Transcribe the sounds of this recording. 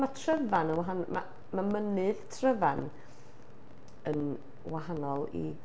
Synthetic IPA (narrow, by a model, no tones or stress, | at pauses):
matʰrəvanənwaɦanma̰ | mamənɨðtʰrəvan | ən | waɦanɔlˠḭ